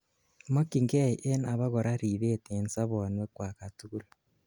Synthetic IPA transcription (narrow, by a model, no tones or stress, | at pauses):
mokiŋɡeiʔenaβaɣoɾaɾiβetensaβonwekwakatuːɾa